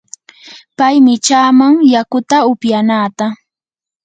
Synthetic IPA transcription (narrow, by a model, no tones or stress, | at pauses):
pajmɪt͡ʃaːmaŋjakʊt̪aʊpjanaːt̪a